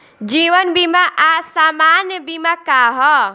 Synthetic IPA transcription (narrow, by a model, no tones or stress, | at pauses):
d͡ʒiʋənbimaʔasamanjbimakaɦɔ